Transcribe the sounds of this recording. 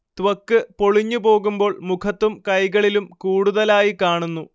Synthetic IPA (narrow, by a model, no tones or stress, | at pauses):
t̪ʋɐkːɨpo̞ɭiɲːupo̞ːɣumbo̞ːɭmukʰɐt̪ːumkɐjɣɐɭilumkuːɽuðɐlaːjikaːɳunːu